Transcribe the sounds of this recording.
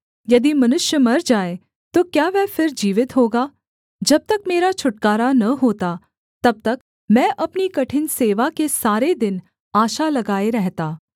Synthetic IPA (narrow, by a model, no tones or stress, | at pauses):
jɐd̪imɐnʊʃjəmɐɾd͡ʒaːe | t̪okjaːʋɛːfʰɪɾd͡ʒiːʋɪt̪ɦoːɡaː | d͡ʒɐb̚t̪ɐkmeːɾat͡ʃʰʊʈkaːɾanɐɦoːt̪a | t̪ɐb̚t̪ɐk | mɛ̃ːʔɐpnikɐʈʰɪnseːʋakesaːɾed̪ɪn | aːʃalɐɡaːeɾɛɦt̪aː